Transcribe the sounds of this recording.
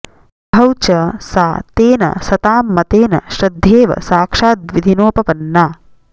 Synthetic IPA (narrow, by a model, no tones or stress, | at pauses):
bʱɐwt͡ʃɐsaːt̪eːnɐ̰sɐt̪aːmːɐt̪eːnɐ̰ʃɾɐd̪ʱːjeːʋɐ̰saːkʂaːt̪ʋid̪ʱinoːpɐpɐnːaː